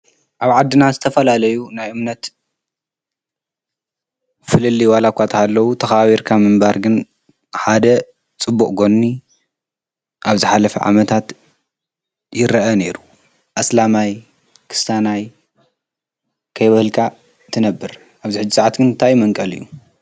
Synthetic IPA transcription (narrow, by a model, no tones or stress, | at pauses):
ʔaβʕad̪ːɨnazɨt̪ʰɐfɐlalɐjunajʔɨmnɐt̪ | fɨlɨlːiwalakʷat̪ʰhalːɐwut̪ʰɐxβaβiɾkʰamɨmbaɾɡɨn | ħad̪ɐ | t͡sʼɨbːuʔʼɡo̞nːi | ʔaβzɨħalɐfɐ̰ʕa̰mɐt̪ʰat̪ | jɪɾɐʔɐne̞ɾu | ʔaslamaj | kʰɨ̥sanaj | kʰɐjβɐhɨlkʰa | t̪ʰɨnɐbːɨɾ | ʔaβziħɨd͡ʒːisaʕat̪ɡɨnnt̪ʰajmɐŋkʼɐlɨ̰jːu